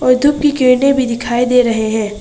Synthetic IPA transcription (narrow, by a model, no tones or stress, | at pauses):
ɔːɾd̪ʱʊp̚kikeːnebʱid̪ɪkʰaːid̪eːɾɐɦeɦɛ̃ː